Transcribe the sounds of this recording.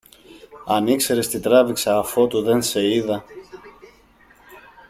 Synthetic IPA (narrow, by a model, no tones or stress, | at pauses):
ɐnikse̞ɾest̪it̪ɾɐviksɐːfo̞t̪uðe̞nse̞iðɐ